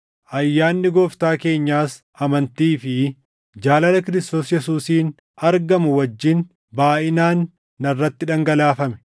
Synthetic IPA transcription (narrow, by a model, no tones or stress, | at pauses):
ʔɐjːaːnːɪɡoːft̪aːke̞ːɲːaːs | ɐmɐnt̪iːfɪ | d͡ʒaːlɐlɐkɪɾɪst̪oːsjɛsuːsiːn | ɐɾɡɐmʊwɐd͡ʒːɪn | baːʔɪnaːnː | ɐrːɐt̪ːɪᶑɐŋɡɐlaːfɐmɛ̥